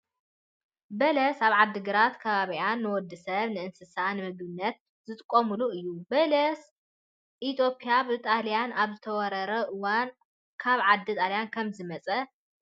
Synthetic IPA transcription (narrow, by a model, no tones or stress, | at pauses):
bɐlɐsaβʕad̪ːɨɡɨɾat̪kʰɐβaβianːɨwɔd̪ːɨsɐβnɨʔɨnsɨsanɨmɨɡbɨnːɐt̪̚ | zɨt̪ʼɨkʼːomuluɨjːubɐlɐs | ʔit̪ʰjo̞pʰʼijaβɨt̪ʼalijanaβzɨt̪ʰɐwɔɾɐɾɐʔɨwan | kʰaβʕad̪ːit̪ʼalijankʰɐmzɨmɐt͡sʼɐ